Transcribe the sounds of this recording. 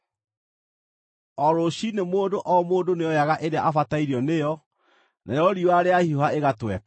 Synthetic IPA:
ɔɾoɕinemoːndoʔɔmoːndonejɔjaɣaʔeɾeaʔafataiɾiɔnejɔ | nʔa̰jɔɾiwaɾeahiohaeɣatwɛka

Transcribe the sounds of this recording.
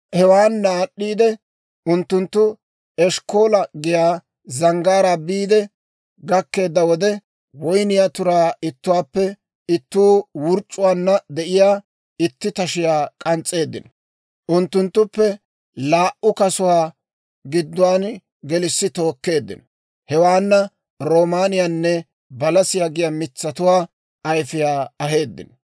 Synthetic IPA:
hɛwaːnːaːɗːiːd̪ɛ | ʔʊnt̪ːʊnt̪ːʊ | ɛʃkoːlɐɡɪjaː | zɐŋɡaːɾabiːd̪ɛ | ɡɐkːe̞ːd̪ːɐwɔd̪ɛ | wɔjnɪjat̪ʊɾaːɪt̪ːʊwaːpːɛ | ɪt̪ːuːwʊɾt͡ʃʼːʊwaːnːɐd̪ɛʔɪjaː | ɪt̪ːɪt̪ɐʃɪjaːkʼɐnt͡sʼːe̞ːd̪ːɪ̰n | ʔʊnt̪ːʊnt̪ːʊpːɛ | laːʔʊkɐsʊwaː | ɡɪd̪ːʊwaːn | ɡɛlɪsːɪt̪o̞ːkːe̞ːd̪ːɪ̰n | hɛwaːnːɐ | ɾo̞ːmaːnɪjanːɛ | bɐlɐsɪjaːɡɪjamɪt͡sːɐt̪ʊwaː | ɐjfɪjaːɐɦe̞ːd̪ːɪ̰n

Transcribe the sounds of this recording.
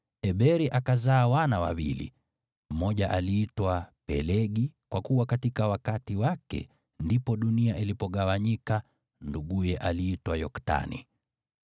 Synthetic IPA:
ɛɓɛɾiʔakazaːwanawa̰wḭlḭ | m̩mɔʄaʔaliːtwapɛ̰lɛɠikwakuwakatikawakatiwakɛ̰ | ndipɔɗuniaʔilipɔɠawaɲika | nduɠujɛʔaliːtwajɔkta̰nḭ

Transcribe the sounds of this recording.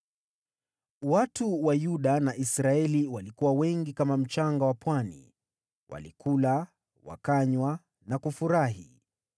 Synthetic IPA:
watuwajuɗanaʔisɾaɛliwalikuwawɛŋɡikamam̩t͡ʃaŋɡawapwanḭ | wʔa̰likʰula | wa̰kaɲwa | nakufuɾaɦḭ

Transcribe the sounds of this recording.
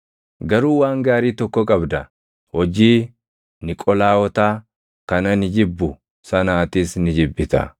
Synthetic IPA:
ɡɐɾuːwaːŋɡaːɾiːt̪ɔkːɔkʼɐbd̪ɐ | hɔd͡ʒiː | nɪkʼɔlaːwɔt̪aː | kɐnɐnɪd͡ʒɪbːʊ | sɐnaːt̪iːsnɪd͡ʒɪbːɪt̪ɐ̰

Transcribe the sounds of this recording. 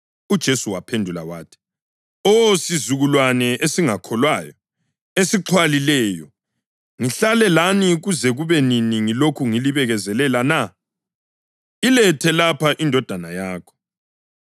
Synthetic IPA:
ud̥ʒ̥ʱesuwapʰendʱula̰waːtʰi̥ | ɔsizuɣulwanɛʔesiŋakʰɔlwaːjɔ | esiǁʰwalilɛːjɔ | ŋiɬalɛlaniɣuzɛɣuβɛniniŋilokʰuŋiliβɛɣɛzɛlɛlana | ilɛtʰɛlapʰaʔindʱɔd̥ʱanajaːkʰɔ̥

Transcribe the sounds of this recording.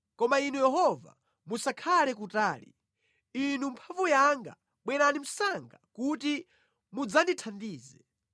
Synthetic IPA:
kɔmainujɛɦɔva̰ | musakʰalɛkutaːlḭ | inumpʰavujaŋɡa̰ | ɓwɛɾanim̩saŋɡakuti | mud͡zanditʰandiːzɛ

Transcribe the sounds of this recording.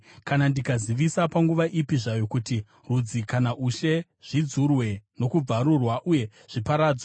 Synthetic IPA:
kanandikaziʋisapaŋɡuʋaʔipiʐajo̞kuti | rud͡zikanaʔuʃe̞ | ʐ̥id͡zurwe̞no̞kub͡vaɾurwaʔuje̞ | ʐ̥ipaɾaːd͡zwa

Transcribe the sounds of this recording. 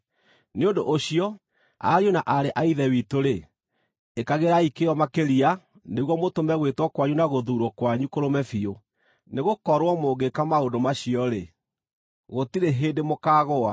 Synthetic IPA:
neondo̰ʔoɕiɔ | a̰ɾjonaʔaɾeʔaiðɛwitoɾe | ekaɣeɾaikeɔmakeɾia | neɣwɔmotomɛɣwetwɔkwaɲunaɣoðuːɾwɔkwaɲukoɾomɛfio | neɣokɔɾwɔmoːɡekamaondomaɕiɔɾe | ɣotiɾeɦeːdemokaːɣoa

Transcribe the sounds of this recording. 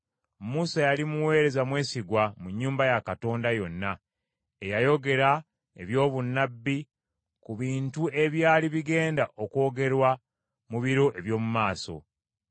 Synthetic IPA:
musajalimuwe̞ːɾe̞zamwe̞ːsiɡwamuɲːuːmbajakato̞ːndajo̞nːa | ejajo̞ɡe̞ɾa | eβjo̞ːβunːabːi | kuβiːntue̞βjaːliβiɡe̞ːndaʔo̞ko̞ːɡe̞ɾwa | muβiɾo̞ʔe̞βjo̞ːmumaːso̞̰

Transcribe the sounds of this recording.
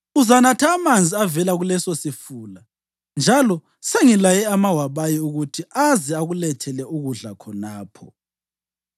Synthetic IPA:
uzanatʰaːmand͡zʱiavɛlaɣulɛsosifuːla | nd͡ʒʱalɔ | seŋilajɛamawaβajiuɣutʰiazɛaɣulɛtʰɛlɛuɣuɮakʰɔnaːpʰɔ̰

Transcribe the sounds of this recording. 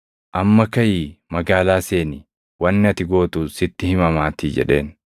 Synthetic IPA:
ʔɐmːɐkɐjiːmɐɡaːlaːse̞ːnɪ | wɐnːɪɐt̪ɪɡo̞ːt̪usɪt̪ːɪhɪmɐmaːt̪id͡ʒɛ̰ᶑe̞̰ːn

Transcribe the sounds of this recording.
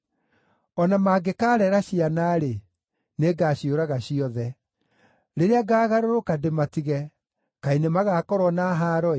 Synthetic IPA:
ɔnamaːɡekaːɾɛɾaɕianaːɾe | neɡaːɕioɾaɣaɕiɔðɛ | ɾeɾeaɡaːɣaɾoɾokadematiɣɛ | kainemaɣakɔɾwɔnaɦaːɾɔe

